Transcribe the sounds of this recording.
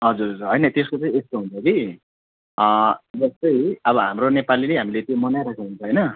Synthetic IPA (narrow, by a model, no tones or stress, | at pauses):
ɦʌd͡zuɾɦʌd͡zurɦʌjnʌt̪eskot͡sʌĩest̪oɦunt͡sʰʌki | d͡zʌst̪ʌjʌbʌɦamronepalileɦamilet̪jomʌnajɾakʰuɦunt͡sʰʌɦʌjnʌ